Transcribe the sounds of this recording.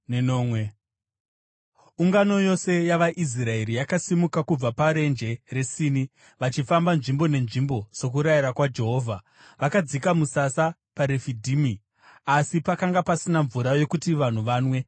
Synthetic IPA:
nnoːmwe | uŋɡano̞jo̞se̞jaʋaʔis̬rae̞ɾijakasimukakub͡vapaɾe̞nd͡ʒe̞re̞siːni | ʋat͡ʃifambanʐimbo̞ne̞nʐimbo̞so̞k̬uɾajiɾakwad͡ʒe̞ɦo̞ːvʱa | ʋakad͡zikamusasa | paɾefidʱiːmi | asipakaŋɡapasinaɱvuɾajo̞kutiʋan̤uʋaːnwe̞

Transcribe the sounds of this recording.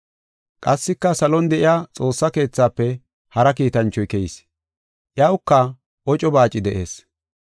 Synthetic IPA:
kʼɐsːɪkːɐsɐlɔnd̪ɛʔɪjat͡sʼo̞ːsːɐke̞ːt͡sːaːpːɛ | hɐɾɐkiːt̪ɐnt͡ʃːɔjkɛɪs | ʔjɐwʊkːɐ | ʔɔt͡ʃʼɔbaːt͡ʃʼːɪd̪ɛʔe̞̰ːs

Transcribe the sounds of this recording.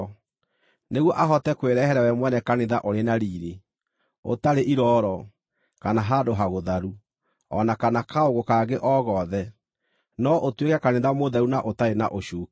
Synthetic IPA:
neɣwɔʔaɦɔtɛkweɾɛhɛɾɛwɛmwɛnɛkaneðaʔoɾenaɾiːɾe | o̰taɾeʔiɾɔːɾɔ | kanaɦadoɦaɣoðaɾu | ɔ̰nakanakaoɣokaɡeʔɔɣɔðɛ | nɔʔotwekɛkaneðamoðaunaʔotaɾenaʔoʃuːk

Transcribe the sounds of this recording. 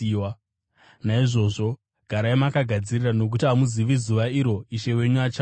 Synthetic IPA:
wa | naiʐo̞ːʐo̞ | ɡ̥ʱaɾaemakaɡʱad͡zirirano̞k̬utiamuziʋizuʋaiɾo̞iʃe̞we̞ɲuat͡ʃa

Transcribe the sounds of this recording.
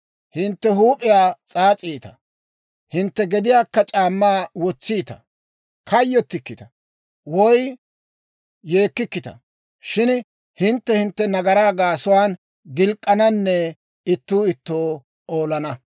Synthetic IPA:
hɪnt̪ːɛhuːpʼɪjaːt͡sʼaːt͡sʼiːt̪ɐ | hɪnt̪ːɛɡɛd̪ɪjaːkːɐt͡ʃʼaːmːaːwɔt͡sːiːt̪ɐ̰ | kɐjːɔt̪ːɪkːɪt̪ɐ | wɔj | je̞ːkːɪkːɪt̪ɐ̰ | ʃɪn | hɪnt̪ːɛhɪnt̪ːɛnɐɡɐɾaːɡaːsʊwaːn | ɡɪlkʼːɐnɐnːɛ | ɪt̪ːuːɪt̪ːoː | oːlɐnɐ

